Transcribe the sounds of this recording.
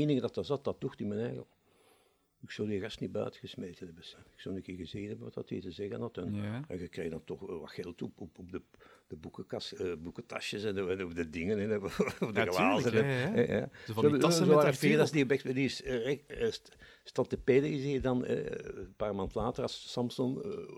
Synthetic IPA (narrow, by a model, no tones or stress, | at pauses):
eːnɪŋədɑtɑzɑt̚dɑt̚duxtɪnmɛnɛɣəlˠ | ɪksɔwdiːəɣɑstnibœ̰ːtəɣəsmejtənɛbəsɛɪ̥ksownəkɪːrɣəzeːənɛbənʋɑtɑtḭːtəzɛɣənɑtənɛɣəkreːɣdɑntɔxʋɑ̰txɛlˠtɔpɔpɔbdəd̥əbukəkɑsbukətɑ̰ʃjəsɛnɛnovdədɪŋənɛnɔvdəɣlaːzənɛɛja̰ː | oʋaːɾəfeːdɑsdiəbɛktɛdisɛ | stɑntəpeːdəziːdɑnɛ̰paːrmaːntlaːtərɑsːɑmsɔn